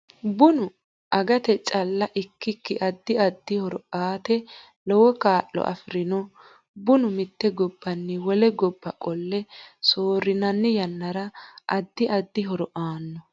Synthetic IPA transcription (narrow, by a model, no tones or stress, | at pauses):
bʊnʊ | ʔɐɡɐt̪ɛt͡ʃʼɐlːɐʔɪkːɪkːɪʔɐd̪ːɪɐd̪ːɪhɔɾɔʔaːt̪ɛ | lɔwɔkaːʔːɔ̰ʔɐ̰fɪɾɪnɔ | bʊnʊmɪt̪ːɛɡɔbːɐnːɛwɔlɛɡɔbːɐkʼɔlːɛsoːɾːɪnɐnːɪjɐnːɐɾɐʔɐd̪ːɪʔɐd̪ːɪɦɔɾɔʔaːnːɔ